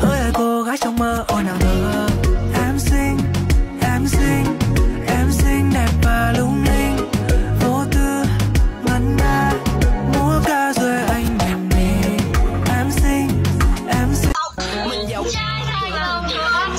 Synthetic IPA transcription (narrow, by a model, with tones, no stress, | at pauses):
həː˧˦jaː˨˩jko˧ɣaː˨˦˥jt͡ɕɔ˧wŋ͡mməː˧ʔo˧jnaː˨˩t̪ʰəː˨˩ʔɛ˨˦msï˧ŋʔɛ˨˦msï˧ŋʔɛ˨˦msi˧ŋ̟ɗɛ˨˩p̚vaː˨˩lʊ˧ŋ͡mli˧ŋvo˧˦t̪ɨ˧mə˨˩nnaː˧mu˨˦əkaː˧zwe˧ʔa˧jŋ̟ni˨˩mmi˨˩ʔɛ˨˧˦msi˧ŋ̟ʔɛ˨˧˦msi˧˨˧